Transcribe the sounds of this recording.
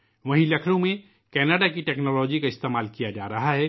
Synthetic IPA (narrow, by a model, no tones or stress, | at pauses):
ʋɐɦĩlɐkʰɾõmẽ | kɛːnəɖakiʈɛːknɔːlɔːd͡ʒikaɪst̪eːmaːlkijad͡ʒa̰ːɾɐɦaɦɛː